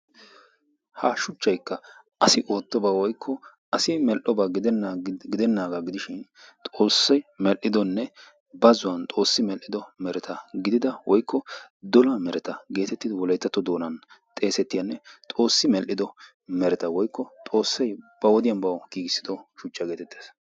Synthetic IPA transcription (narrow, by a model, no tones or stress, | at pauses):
hɐʃʊt͡ʃːɐjkːɐ | ʔɐsɪʔoːt̪ːɔbawɔjkʰːɔ | ʔɐsɪmɛlʔɔbɐɡɪd̪ɛnːɡɪd̪ɛnːaːɡaɡɪd̪ɪʃɪn | t̪ʼo̞ːsːɐjmɛlʔːɪd̪ɔnːɛ | bɐzʊwɐnt̪ʼo̞ːsːɪmɛlʔːɪd̪ɔmɛɾɛt̪ʰɐɡɪd̪ɪd̪ɐwɔjkːɔd̪ɔlɐmɛɾɛt̪ɐɡe̞ːt̪ɛt̪ːɪd̪ɔwɔlɐjt̪ːɐt̪ːɔd̪o̞ːnɐnt̪ʼe̞ːsɛt̪ːɪjɐnːɛt̪ʼo̞ːsːɪmɛlʔːɪd̪ɔ | mɛɾɛt̪ɐwɔjkːɔt̪ʼo̞ːsːɐjb̥ɐwɔd̪ɪjɐnbɐwɡ̥iːɡɪsːɪd̪ɔʃʊt͡ʃːɐɡeːt̪ɛt̪ːeːs